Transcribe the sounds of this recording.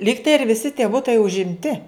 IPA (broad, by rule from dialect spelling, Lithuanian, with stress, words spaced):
ˈlʲiːktɐɪ ɪr ʋʲɪˈsʲɪ tʲiɛ ˈbʊtɐɪ ʊʒʲɪmʲˈtʲɪ